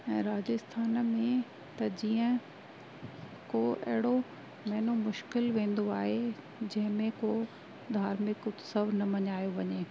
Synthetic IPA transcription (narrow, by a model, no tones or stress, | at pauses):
ɛ̃ːɾaːd͡ʑɪst̪ʰaːnmẽ | t̪ɐd͡ʑiːə̃ | koːɐ̰ɦɪɽo | mɛɦɪnomʊʃkɪlʋẽːn̆d̪oaːɦe | d͡ʑɐ̃ɦɪ̃mẽkoː | d̪ʱaːɾmɪktsɐʋnɐmɐɲaːjoʋɐɲeː